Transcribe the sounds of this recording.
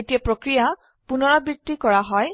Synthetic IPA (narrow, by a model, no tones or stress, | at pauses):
etijapɹokɹija | punɔɹɔbɹit̪ːikɔɹaɦɔj